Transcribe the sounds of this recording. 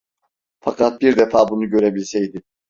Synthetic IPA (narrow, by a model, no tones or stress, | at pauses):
fakʰat̪̚biɾd̪ɛfaːbunuɟø̞ɾebilʲsɛjd̪i